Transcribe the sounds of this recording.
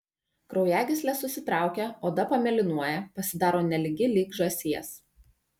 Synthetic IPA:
kɾɒʊjæːɡʲɪsʲlʲɛsʊsʲɪt̪ɾɑˑʊkʲɛoːd̪ɐpɐmʲɛlʲɪnuɔjɛpɐsʲɪd̪ɑːɾoːnʲɛlʲɪɡʲɪlʲiːɡʒɐsʲiɛs

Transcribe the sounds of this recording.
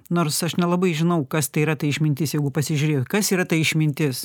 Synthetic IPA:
noːrɾsɐʃnʲɛlˠɐbɐɪʒʲɪnɐʊkɐst̪ɐɪiɾɐt̪ɐɪɪʃmʲɪnʲt̪ʲɪsjɛɪɡʊpɐsʲɪʒʲuɾʲeːjot̪ʲkɐsiːɾɐt̪ɐɪɪʃʲmʲɪnʲt̪ʲɪs

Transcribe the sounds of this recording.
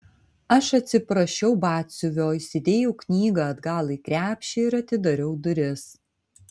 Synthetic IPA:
ɐʃɐt̪ʲsʲɪpɾɐʃʲɛʊbɑːt̪ʲsʲʊʋʲoːisʲɪd̪ʲeːjɛʊknʲiːɡɑɐd̪ɡɑːlˠiːkɾʲæːpʲʃʲɛːɪɾɐt̪ʲɪd̪ɐɾʲɛʊd̪ʊɾʲɪs

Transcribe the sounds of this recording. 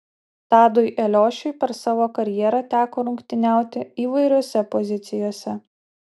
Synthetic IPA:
t̪ɑːd̪ʊɪʔɛlʲoːʃʲʊɪpʲɛɾsɑːʋoːkɐɾʲjiɛɾɑt̪ʲæːkoːɾʊŋʲkt̪ʲɪnʲæˑʊt̪ʲɪiːʋɐɪɾʲoːsʲɛpɔzʲɪt̪sʲɪjoːsʲɛ

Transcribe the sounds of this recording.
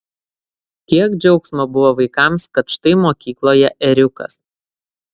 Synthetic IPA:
kʲiɛkd͡ʒʲɛʊksmobʊʋoːʋɐɪkɑˑmskɐt̪ʃt̪ɐɪmoːkʲiːklˠoːjɛʔɛɾʲʊkɐ̰s

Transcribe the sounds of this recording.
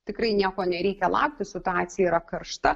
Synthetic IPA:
t̪ʲɪkɾɐɪnʲiɛkoːnʲɛɾʲɛɪkʲɛlˠɑ̰ʊk̚t̪ʲɪsʲɪt̪ʊaːt̪sʲɪjɛiɾɐkɐɾʃt̪ɐ

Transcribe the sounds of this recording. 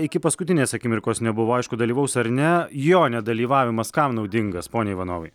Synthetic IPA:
ɪkʲɪpɐskʊt̪ʲɪnʲeːsɐkʲɪmʲɪɾkoːsnʲɛbʊʋoːɐɪʃkʊd̪ɐlʲiːʋɐʊsɐɾnʲɛjoːnʲɛd̪ɐlʲiːʋɑːʋʲɪmɐskɐmnɒʊd̪ʲɪŋɡɐspoːnʲeːɪʋɐnoːʋɐɪ

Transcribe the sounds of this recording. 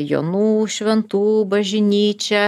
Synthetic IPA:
jo̰ːnuːʃʲʋʲɛnt̪uːbɐʒʲɪnʲiːt͡ʃʲɛ

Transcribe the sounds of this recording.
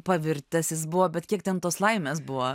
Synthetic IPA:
pɐʋʲɪɾʲt̪ʲɛsjɪsbʊʋoːbʲɛt̪kʲiɛk̚t̪ʲɛnt̪oːslˠɐɪmʲeːs̬bʊʋo

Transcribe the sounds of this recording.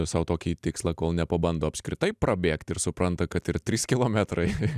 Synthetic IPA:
sɐʊt̪oːkʲiːt̪ʲɪkslˠɐkoːlˠnʲɛpɐbɐnd̪oːɐpʲskɾʲɪt̪ɐɪprɐbʲeːkt̪ʲɪrsʊpɾɐnt̪ɐkɐt̪ɪɾt̪ʲɾʲiːskʲɪlˠoːmʲɛt̪rɐɪ

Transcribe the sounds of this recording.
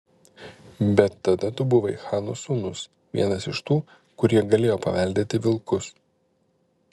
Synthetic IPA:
bʲɛt̪ːɐd̪ɐt̪ʊbʊʋɐɪxɑːnosʊnʊs | ʋʲḭɛnɐsɪʃt̪uː | kʊɾʲiɛɡɐlʲeːjoːpɐʋʲɛlʲd̪ʲeːt̪ʲɪʋʲɪlˠkʊs

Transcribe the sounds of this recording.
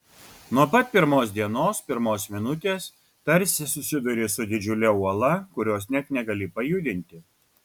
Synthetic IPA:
nuɔpɐt̪̚ʲpʲɪɾmoːsd̪ʲiɛnoːspʲɪɾmoːsmʲɪnʊt̪ʲeːs | t̪ɐɾʲsʲɪsʊsʲɪd̪ʊɾʲeːsʊd̪ʲɪd͡ʒʲʊlʲɛuɔlˠɐkʊɾʲoːsnʲɛt̪nʲɛɡɐlʲɪpɐjʊd̪ʲɪnʲt̪ʲɪ

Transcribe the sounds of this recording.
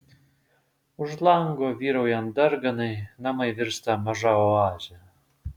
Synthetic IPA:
ʊʃlˠɐŋɡoːʋʲiːɾɐʊjɛnd̪ɐɾɡɐnɐɪnɐmɐɪʋʲɪɾst̪ɐmɐʒɑːoɑːʒʲɛ

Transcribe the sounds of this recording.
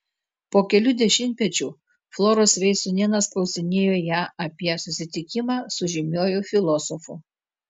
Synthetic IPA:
poːkʲɛlʲʊd̪ʲɛʃʲɪmʲt̪ʲmʲɛt͡ʃʲuː | flˠɔːɾoːsʋʲɛɪsʊnʲiɛnɐsklˠɒʊsʲɪnʲeːjoːjæːʔɐpʲiɛsʊsʲɪt̪ʲɪkʲɪmɑːsʊʒʲɪmʲoːjufʲɪlˠɔsɔfʊ

